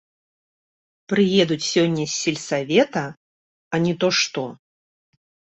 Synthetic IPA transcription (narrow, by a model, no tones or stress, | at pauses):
pɾɨjɛd̪ut͡sʲsʲɔnʲːɐsʲːilʲsavʲɛt̪ɐ | ɐnʲɛt̪ɔʂt̪ɔ